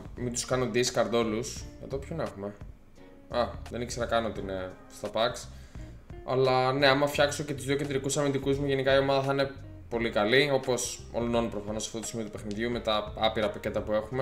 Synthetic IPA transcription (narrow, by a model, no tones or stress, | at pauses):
mind̪uskɐnond̪iskɐɾd̪o̞lusʝɐ̰ðopçone̞xume̞ | ɐðe̞niçksenɐkɐnoot̪iine | st̪ɐpɐks | ɐ̰lɐne̞ɐmɐfçɐksoce̞t̪uzðio̞ced̪ɾikusɐmind̪ikuzmuʝe̞nikɐio̞mɐðɐθɐine̞ | po̞likɐlio̞po̞so̰lono̞nupɾofɐnosɐ̥ft̪ot̪usimio̞t̪upe̞xniðʝume̞t̪ɐɐpiɾɐpɐce̞t̪ɐpue̞xume